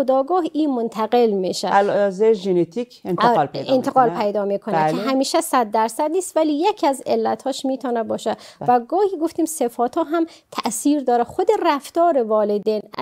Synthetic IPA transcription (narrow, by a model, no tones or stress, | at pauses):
od̪ɒːɡɒːɦʔiːmont̪ʰæɣelmiʃælzeʒenet̪ʰikʰentːlenʰeɣɒːlpʰejd̪ɒːmiːkʰonækʰeɦæmiːʃæsæd̪̚ːæɾsæd̪niːst̪væliːjecʰiæzelːæt̪ʰhɒːʃmiːt̪ʰɒːnæbɒːʃæd̪væɡɒːhiːɡoft̪iːmsefɒːt̪ʰɒːɦæm | t̪ʰæʔsiːɾd̪ɒːɾæxod̪eræft̪ɒːɾevɒːled̪en